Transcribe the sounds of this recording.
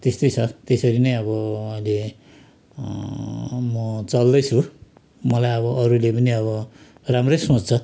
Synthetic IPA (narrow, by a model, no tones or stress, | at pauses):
t̪est̪ʌjt͡sʰʌt̪esʌɾinʌjʌβʌʌjle | mʌt͡sʌld̪ʌjt͡sʰu | mʌlajʌβʌʔʌɾulepʌniʌβʌ | ramrʌjsõt͡st͡sʰʌ